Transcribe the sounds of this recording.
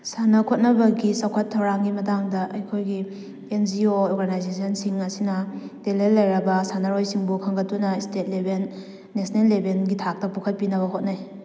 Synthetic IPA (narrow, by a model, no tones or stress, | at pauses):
sanɐkʰot̚nɐbɐɡisɐwkʰɐtʰːɐwɾaŋɡimɐtaŋdɐʔɐjkʰojɡi | end͡ʒiooɾɡanajzesɐnsiŋɐsinɐd̥elelːɐjɾɐbɐsanɐɾojsiŋbukʰɐŋɡɐtːunɐistet̚lebelː | esnelːebenɡitʰak̚tɐpukʰɐt̚pinɐβɐɦot̚naj